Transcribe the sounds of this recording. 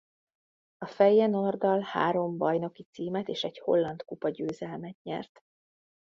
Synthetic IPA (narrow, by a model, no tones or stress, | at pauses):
ɒfɛjːɛnord̪ɒlha̰ːɾo̞mbɒjno̞kit̪siːmɛt̪eːʃɛɟho̞̰lːɒnt̪kupɒɟøːzɛlmɛt̪ɲɛ̰rt̪